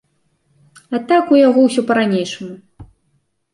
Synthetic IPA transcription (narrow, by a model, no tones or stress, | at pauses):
at̪akujaɣɔwsʲɔpɐɾanʲejʂɐmu